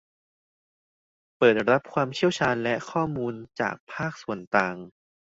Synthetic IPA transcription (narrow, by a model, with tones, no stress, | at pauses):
pɤː˨˩t̪̚ɾa˦˥p̚kʰwaː˧mt͡ɕʰi˥˩əwt͡ɕʰaː˧nlɛ˦˥kʰɔː˥˩muː˧nt͡ɕa̰ː˨˩k̚pʰaː˥˩k̚su˨˩ənt̪aː˧ŋ